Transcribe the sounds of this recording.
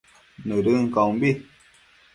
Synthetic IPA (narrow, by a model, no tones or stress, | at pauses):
nɨɾɨŋ̩kabi